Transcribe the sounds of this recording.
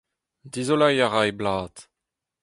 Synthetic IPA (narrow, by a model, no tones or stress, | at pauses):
dizolajaʁajblaːt̪